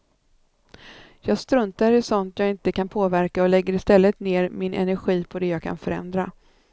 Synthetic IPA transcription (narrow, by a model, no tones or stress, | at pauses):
jɑːɡst̪ɾɵnt̪aɾɪsɔnt̪jɑːɡɪnt̪əkʰanpʰoːvæɾkaɔlɛɡːəɾɪst̪ɛlːət̪neːɾmɪnʔɛ̰næɾɧiːpʰɔd̪ɛjɑːɡkʰa̰nfœɾɛ̰nd̪ɾa̰